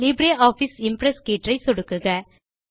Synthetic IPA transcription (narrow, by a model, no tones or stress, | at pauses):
liːbɾeːʔaːfisɪmpɾɛskeːʈrɐɪsɔɽɯkːɯɣɐ